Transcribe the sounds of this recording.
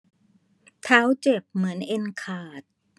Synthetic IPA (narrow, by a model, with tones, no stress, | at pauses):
t̪ʰa˦˥wt͡ɕe˨˩p̚mɯ˩˦ənʔe˧nkʰaː˨˩t̪̚